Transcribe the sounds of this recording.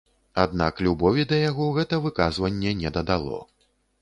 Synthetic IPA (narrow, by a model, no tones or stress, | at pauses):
ad̪na̰klʲubɔvʲid̪ɐjaɣɔɣɛt̪ɐvɨkazvɐnʲːɛnʲɛd̪ɐd̪alˠɔ̰